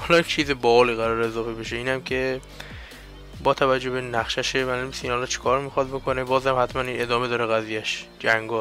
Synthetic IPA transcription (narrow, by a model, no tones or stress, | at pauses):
hɒlɒːt͡ʃʰiːzebɒliːɣæɾɒːɾeezɒːfe̞beʃeiːnæmkʰe̞ | bɒːt̪ʰævæd͡ʒːobe̞næxʃæʃemæːlumisinhɒlɒːt͡ʃʰe̥kʰɒːɾmixɒd̪̚bo̞kʰo̞nebɒːzhæmhæt̪ʰmæniːne̞d̪ɒːme̞d̪ɒːɾeɣæziːjæʃd͡ʒæŋɡɒː